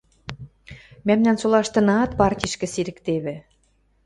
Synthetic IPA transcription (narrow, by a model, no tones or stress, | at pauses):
mæmnænsolˠɑʃt̪ɤ̆nɑt̪pɑrtʲiʃkɘ̆siɾɘ̆kt̪eβɘ̆